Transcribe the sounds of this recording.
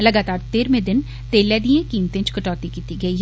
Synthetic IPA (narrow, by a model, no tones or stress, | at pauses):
lɐɡaːt̪aːɾt̪eːɾmẽd̪ɪn | t̪eːlːɛːd̪iẽkiːmt̪ẽt͡ʃkɐʈɔːt̪ikiːt̪iɡɐiː